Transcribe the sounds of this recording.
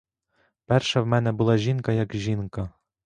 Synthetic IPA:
pæɾʃɑvmænɘ̆bulˠɑʑinkɑjɑkʑinkɑ

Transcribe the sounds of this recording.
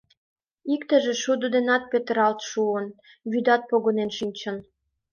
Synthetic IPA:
ikt̪ə̆ʒĕʃud̪əd̪enɑt̪̚pøt̪əɾɑlt̪ʃuən | βyd̪ɑt̪̚poɣonenʃinʲt͡ɕə̆n

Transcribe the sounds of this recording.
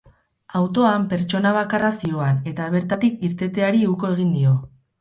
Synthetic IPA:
awt̪o̞ampe̞ɾt͡ʃo̞naβ̞akarasio̞ane̞t̪aβ̞e̞ɾt̪at̪ik̚iɾt̪e̞t̪e̞aɾiuko̞e̞ɣ̞ind̪io̞

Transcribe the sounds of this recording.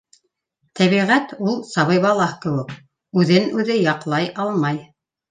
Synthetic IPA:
t̪ʰæβiʁæt̪ulˠsɑβɤjβɑlˠɑhkɘ̆wɘk | ʉðɘnʉðɘjɑqlˠɑjʔɑlˠmɑj

